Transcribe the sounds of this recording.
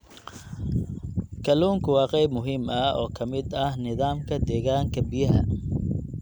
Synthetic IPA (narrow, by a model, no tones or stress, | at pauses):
kʰɐluːŋkʰʊwɑːqɛjbmʊɦiːmɐʔɔ̰ːkʰɐmɪd̪ɐhnɪðaːmkʰɐd̪ɛːɣaːŋkʰɐbɪjɐɦɐ